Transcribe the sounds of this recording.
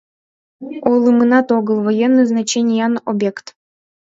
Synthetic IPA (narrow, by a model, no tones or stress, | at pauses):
olˠɨmɨnɑt̪oɡəlˠvojenːɨjznat͡ɕenʲijɑnobʲekt̪